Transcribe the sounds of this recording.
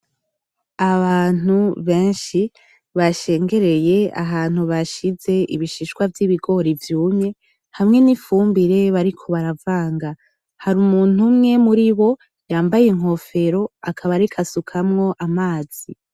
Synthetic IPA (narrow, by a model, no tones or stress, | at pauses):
aβaːn̥uβe̞ːnʃi | βaʃe̞ːŋɡe̞ɾe̞je̞a̰ɦaːn̥huβaʃize̞ʔiβiʃiʃkwavjiβiɡo̞ɾivjuːme̞ | hamŋe̞nifuːmbiɾe̞βaɾikʰo̞βaɾavaːŋɡa | haɾumuːn̥umŋe̞muɾiβo̞ | jaːmbajeŋ̥ɦo̞fe̞ɾo̞akʰaβaɾikʰasukʰamŋo̞ʔamaːz̥i